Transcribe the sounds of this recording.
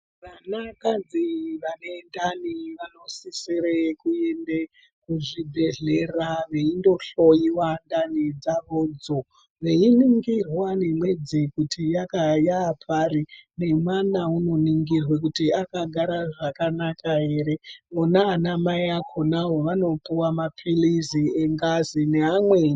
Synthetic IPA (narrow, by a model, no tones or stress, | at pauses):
ʋanakad͡ziʋane̞ndaniʋano̞sisiɾekue̞nde | kuʐibʱe̞ɮe̞raʋe̞indo̞ɬo̞jiwandanid͡zaʋod͡zo̞ | ʋe̞iniŋɡirwanemwe̞d͡zekutijakajaːpʰarine̞mwanauno̞niŋɡirwekutiakaɡʱaɾaʐakanakaɦe̞ɾemonaːnamaiakʰonaɦoʋano̞puwamapʰilizieŋɡazineɦamwe